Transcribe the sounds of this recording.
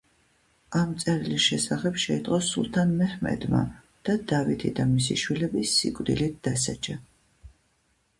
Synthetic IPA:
amt̪sʼɛɾilisʃɛsaχɛpʃɛit̪ʼqʼɔsṵlˠt̪ʰanmɛhmɛ̰d̪ma̰ | d̪̥ad̪avit̪ʰḭd̪amisiʃwilɛbisːḭkʼvd̪ḭlit̪̚ʰd̪asad͡ʒa

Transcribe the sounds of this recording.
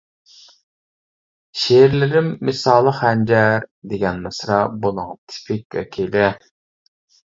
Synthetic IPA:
ʃeɾlɪɾɪmːɪsɑːlˠəχhænd͡ʒæɾd̪eɡʲɛnmɨsɾɑbolˠɨŋt̪ʰɪ̥pʰɪk̚ʲwɛ̰kʲʰelɛ

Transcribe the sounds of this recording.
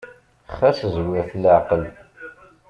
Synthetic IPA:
χæszwɪɾθlaʕqəl

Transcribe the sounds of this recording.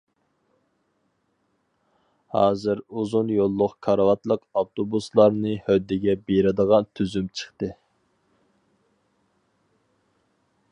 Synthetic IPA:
hɑ̰ːzɨɾuzunjolˠːʊqkʰɑɾɑwɑt̪lˠəqɑft̪ʰobuslˠɑɾnɨhœd̪ːɪɡʲɛbeɾɪd̪əʁɑnt̪ʰyzymt͡ʃʰə̥χt̪ɨ

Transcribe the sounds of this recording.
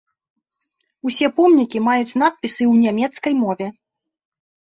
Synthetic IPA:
usʲɛpɔmnʲikʲimajut͡sʲn̪at̪̚pʲisɨwnʲamʲɛt̪skɐjmɔvʲɛ

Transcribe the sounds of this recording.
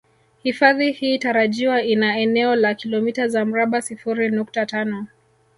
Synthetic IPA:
hifaðihiːtaɾaʄiwainaɛnɛɔlakilɔmitazam̩ɾaɓasifuɾinuk̚tatanɔ

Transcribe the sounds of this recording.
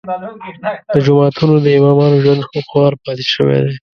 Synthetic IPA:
d̪̥əd͡ʒʊmɑt̪ʰunod̪əɪmɑmɑnoʒwand̪xoxwɑɾpɑt̪e̥ʃəwḛd̪e

